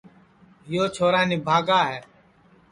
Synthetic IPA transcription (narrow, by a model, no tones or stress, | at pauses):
ɦɪjoːt͡ʃʰoːɾaːniːbʱaːɡaːɦɛː